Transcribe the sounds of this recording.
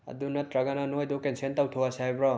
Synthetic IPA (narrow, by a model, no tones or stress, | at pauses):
ɐ̰d̪unɐt̪ɾaɡananojd̪okensent̪awtʰowasajbɾɔ